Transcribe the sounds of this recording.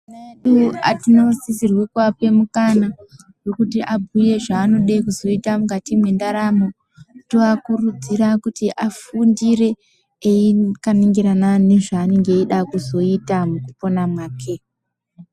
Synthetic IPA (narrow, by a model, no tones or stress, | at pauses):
neɗua̰tino̞zisirwikwape̞mukana | wekutiʔabʱuje̞ʐaːno̞ɗaikuzo̞itamukatimwe̞ndaɾamo | toakurud͡ziɾakutiʔafundire̞ | eikaneŋɡeɾanane̞ʐaːne̞ŋɡe̞iɗakuzo̞itamukupo̞namwaːkʰe